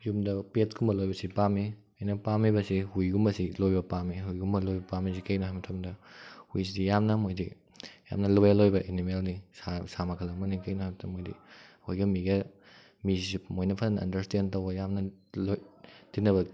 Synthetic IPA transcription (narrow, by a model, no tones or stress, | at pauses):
jumdɐpet̚kʰumbɐlojbɐsipami | ajnɐpamibɐsihujɡumbɐsilojbɐpamiɦujɡumbɐlojbɐpamis̬ikɐjnoɦajmɐtʰɐmdɐhujsidijamnɐmojdi | ja̰mnɐlojalojbɐʔenimelnisasamɐkʰɐlɐmɐnikɐjnohajmɐtʰɐmːojdḭhojɡɐmiɡɐ | mizizimojnɐpʰɐnɐnɐ̰ndɐɾstentɐwbɐjamnɐlojtinːɐβɐ